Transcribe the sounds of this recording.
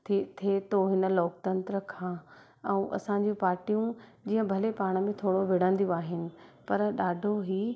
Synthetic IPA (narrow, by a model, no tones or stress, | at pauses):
t̪ʰt̪ʰeːt̪oɦɪnə̆loːkt̪ɐ̃nt̪ɾəkʰãː | ɛ̃ũʔɐ̰sãɲd͡ʑĩpaːɾʈijũd͡ʑiːɦə̃bʱɐlepaːɽ̃ə̆mẽt̪ʰoːɽoʋɪɽə̃nd̪ijõaːɦɪnɪ̆pɐɾɗaːɖʱoɦiː